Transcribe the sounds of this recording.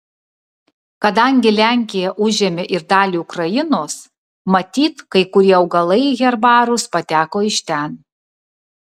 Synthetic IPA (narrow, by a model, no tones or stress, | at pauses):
kɐd̪ɐŋʲɡʲɪlʲæˑŋʲkʲɪjɛʔʊʒʲeɛmʲeʔɪɾd̪ɑːlʲiʊkɾɐjɪnoːs | mɐt̪ʲiːt̪kɐɪkʊɾʲiɛɐʊɡɐlˠɐɪɣʲɛɾbɑːɾʊspɐt̪ʲæːkoːɪʃʲt̪ʲæn